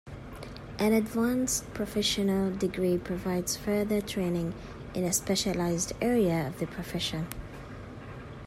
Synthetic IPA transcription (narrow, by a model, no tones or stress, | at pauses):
ʔɨ̃nɨdvãnspʰɹ̥əfɛʃənəlˠdɪɡɹipʰɹ̥ɨvaɪdz̥fɜ˞ðətʰɹ̥ẽɪ̃nɪ̃ŋ | ʔɪ̃nɨspɛʃəlaɪzdɛɹiəʌvðɨpʰɹ̥əfɛʃɨ̃n